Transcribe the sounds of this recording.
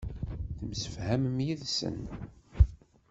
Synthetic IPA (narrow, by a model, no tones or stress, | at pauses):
θəmsə̥fhæməmjiðsə̰n